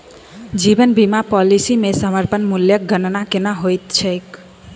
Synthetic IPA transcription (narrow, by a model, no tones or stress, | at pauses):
d͡ʒibənbimapɔlisimesəməɾpənmuljək̚ɡənnakenaɦojt̪t͡ʃʰəjk